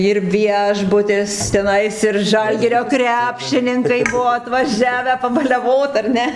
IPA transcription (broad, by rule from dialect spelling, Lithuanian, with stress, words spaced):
ɪr ˈʋʲiɛʒbʊtʲɪs tʲɛˈnɐɪs ɪr ˈʒɐlʲɡʲɪrʲoː ˈkrʲæːpʲʃʲɪnʲɪŋkɐɪ ˈbuɔ ɐtʋɐˈʒʲæːʋʲæː pɐbɐlʲɛˈʋoːt ɐr ˈnʲɛ